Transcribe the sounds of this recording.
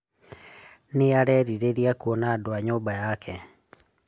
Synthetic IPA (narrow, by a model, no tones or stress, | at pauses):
nejaɾɛɾiɾeɾiakuonaːdoaɲoːbajakʰɛ